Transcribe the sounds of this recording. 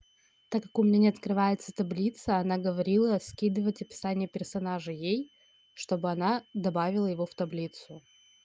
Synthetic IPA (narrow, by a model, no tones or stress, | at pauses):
t̪akːakʊmʲɪnʲenʲɪɐt̪kɾɨvajɪt̪sət̪ɐblʲit̪səɐnaɡəvɐɾʲilˠəɐskʲid̪ɨvətʲɐpʲɪ̥sanʲɪːpʲɪrsɐnaʐɨjej | ʂt̪o̞bɨɐnad̪ɐbavʲɪlˠəjɪvoft̪ɐblʲit̪sʊ